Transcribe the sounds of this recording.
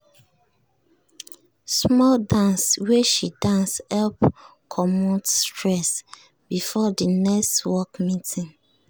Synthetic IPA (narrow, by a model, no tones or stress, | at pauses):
smɔldãnsweʃidãnshɛlp | kʰɔmotstʰɹɛs | bifɔdinɛkstwɔkmitĩn